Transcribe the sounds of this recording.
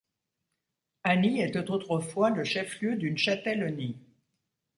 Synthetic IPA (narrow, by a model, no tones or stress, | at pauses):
aniɛt̪ot̪ot̪χəfwaləʃɛfljød̪ynʃat̪ɛlɔni